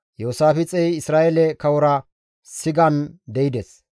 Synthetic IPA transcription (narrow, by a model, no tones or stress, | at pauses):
joːsaːfɪt͡sʼɛjɪsɾaːʔɛlɛkɐwɔɾɐ | sɪɡɐnd̪ɛɪd̪ɛs